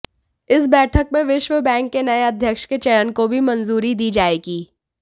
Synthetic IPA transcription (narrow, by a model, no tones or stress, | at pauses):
ɪsbɛːʈʰək̚mẽʋɪʃʋəbɛ̃ːŋkːenɐeɐd̪ʱjəkʃket͡ʃɐjənkobʱimɐnzuːɾid̪iːd͡ʒaːeːɡiː